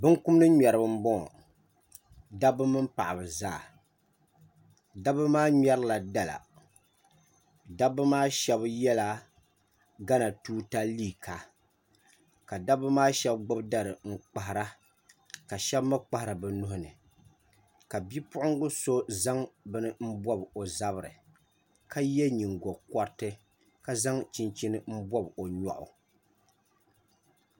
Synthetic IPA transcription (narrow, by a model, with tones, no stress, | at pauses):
bɨ˦ŋku˦mnɨ˦ɲɛ˨ɾɨ˨bɨ˦m̩˦bɔ̰˦˨ | da˦bɨ˦mɨ˦mpa˨ʔa˨bɨ˨zaː˦˨ | da˦bɨ˦maː˦ɲɛ˦ɾɨ˦la˨da˦la̰˨ | da˦bɨ˦maː˦ʃɛ˦bjɛ˦la˦ | ɡa˦na˨tuː˦ta˦liː˦˨kʰa˨ | ka˨da˦bɨ˦maː˦ʃɛ˦bɡ͡bʊ˦bda˦ɾɨ˨ŋ̩˨k͡pa˨ɦɪ˨ɾa˦ | ka˨ʃɛ˦bma˦k͡pa˦hɪ˨ɾa˨bɛ˨nʊ˦hʊ˦nɨ˨ | ka˨bi˦pʊ˦ʔʊ˦ŋɡʊ˦so˦za˦ŋbɨ˦nɨ˦m̩˦bɔ˦bo˨za˦bɨ˨ɾɨ̰˨ | ka˦jɛ˦ɲi˨ŋɡɔ˨kɔ˦ɾtɨ˦ | ka˦za˦ŋt͡ʃi˦nt͡ʃi˦nɨ˦m̩˦bɔ˦bo˨ɲɔ̰˨ʔʊ̰˨